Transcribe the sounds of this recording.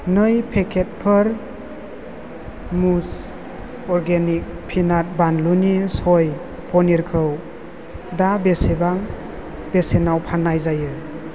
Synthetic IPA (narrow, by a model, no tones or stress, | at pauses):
nɯjpʰekʰet̚pʰɯɾ | mus | ɔɾɡenik̚pʰinat̚banlunisɔj | pʰɔniɾkʰɯw | dabesebaŋ | b̥esenawpʰanːajzajɯ